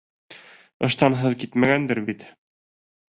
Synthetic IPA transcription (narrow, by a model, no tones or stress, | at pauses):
ɤ̆ʃt̪ɑnɦɤðkit̪mæɡænd̪ɘɾbit̪